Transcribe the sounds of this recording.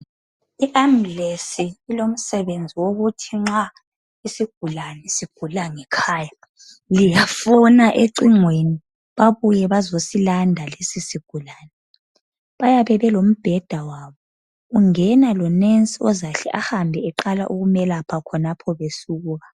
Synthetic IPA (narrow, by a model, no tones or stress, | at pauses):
iʔamlesiːlom̩sɛβend͡zʱiwoɣutʰiŋ͡ǁa | isiɡ̥ʱulanɛsiɡ̥ʱulaŋɛkʰaːja | lijafɔnaʔeǃiŋweni | βaβujɛβazosilandʱalesisiɡ̥ʱulaːnɛ | βajaβɛβɛlom̩b̥ʱɛd̥ʱawaβɔ | uŋɛnalɔnensʼiɔzaɬɛ̰ʔahambʱɛɛǃala̰ʔuɣumɛlapʰakʰɔnapʰɔβesuɣuːɣa